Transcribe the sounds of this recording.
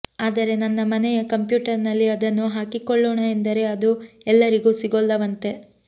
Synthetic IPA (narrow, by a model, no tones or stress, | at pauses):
aːd̪ɐɾe̞nɐnːɐmɐnɛjɐkɐmpjuːʈɐɾnɐlːiɐd̪ɐnːuɦaːkikɔɭːoːɳɐend̪ɐɾe̞ɐd̪uɛlːɐɾiɡuːsiɡolːɐʋɐnt̪e̞